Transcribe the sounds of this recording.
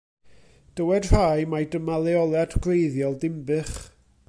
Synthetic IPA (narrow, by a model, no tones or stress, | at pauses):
d̥əwɛd̥r̥ajmajdəmalˠɛɔlˠadɡlejðjɔlˠdɪmbɨχ